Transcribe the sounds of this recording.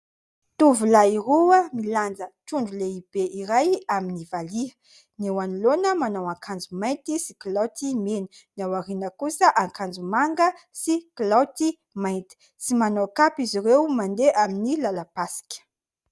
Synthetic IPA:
t̪uvulairuəmiland͡zəʈ͡ʂuɳɖ͡ʐuleib̥eʔiɾajaminivaliə | newanilonəmanawaŋkʰand͡zumajnt̪isiklat̪imenunawaɾinəkusəʔaŋkand͡zumaŋɡəsiklawt̪i | majnt̪i̥ | simanokapiziɾewmand̪eʔaminilalapasi̥kʲə̥

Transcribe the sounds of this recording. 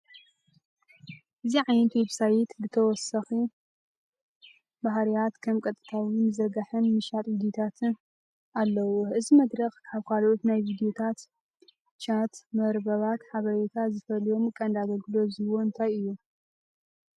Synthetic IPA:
ʔɨziʕajnɐt̪weβsajɪt̪bɨt̪ʰɐwɔsɐxi | baɦɾijat̪kʰɐmkʼɐt̪ʼɨ̥t̪ʰawinzɐɡaħɨnmɨʃat̪ʼvid̪jot̪ʰat̪ʰɨn | alːɐwoʔɨzimɐd̪ɾɐxkʰaβkʰalʔot̪najvid̪ijo̞t̪ʰat̪ | t͡ʃʰat̪mɐɾbɐβat̪ħaβɐɾet̪ʰazɨfɐlijo̞mkʼɐnd̪aɡɐlɡɨlo̞zɨwoɨnt̪ʰajɨjːu

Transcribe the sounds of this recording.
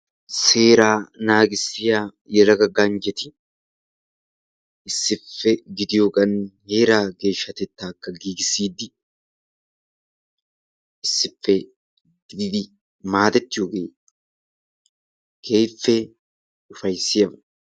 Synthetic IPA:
se̞ːɾaːnaːɡʼɪsːɪjaː | jɛɾɐɡɐɡaːnd͡ʒɛt̪ɪ | ʔɪsːɪfːɛɡɪd̪ɪjokʼɐnhe̞ːɾaːɡe̞ːʃːɐt̪ɛt̪ːaːkːɐɡiːɡɪsːiːd̪ɪ | ʔɪsːɪfːɛ | ɡd̪ɪd̪ɪ | maːt̪ɛt̪ːɪjoɡeː | kʰe̞ːjfːe | ʊfɐjsːɪjɐmɐ

